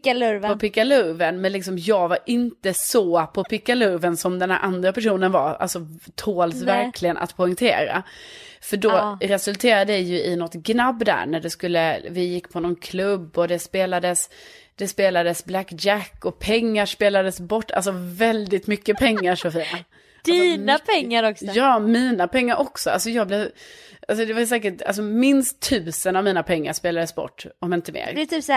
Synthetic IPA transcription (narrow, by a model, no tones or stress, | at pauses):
pɔpʰɪkːalɵɾvənmɛnlɪksɔmjɑːɡvaɾʔɪnt̪əsɔpʰɔpʰɪkːalɵɾvənsɔmd̪ɛnhæ̰ɾʔand̪ɾapæʂuːnənvaɾa̰lsɔt̪ʰoːlsvæɾkʰlɪɡənʔa̰t̪pʰɔʏŋt̪ʰḛːɾa̰fœɖɔɾɛsɵlt̪ʰeːɾad̪əd̪ɛjɵɪnɔt̪ɡnabːd̪æ̰ɾɳæɖɛskɵlːəvɪjɪkːpʰɔnɔnkʰlɵbːɔd̪ɛspeːlad̪əs | d̪̥ɛspeːlad̪əsblækd͡ʒækːɔpʰɛŋːaʂpeːlad̪əsbɔʈːa̰ls̬ɔvɛld̪ɪt̪mʏkːəpʰɛŋːaʂɔfiːna | d̪iːnapʰɛːaɾɔksjɑːmiːnapʰɛŋːaɾʔɔksɔals̬ɔjɑːɡblɛʔals̬ɔd̪ɛvaɾsɛːkəʈa̰ls̬ɔmɪnst̪ʰːʉ̟ːsənavmiːnapʰɛŋːaʂpeːlad̪əsbɔ̰ʈːɔmɪnt̪əmḛːɾt̪ʰyː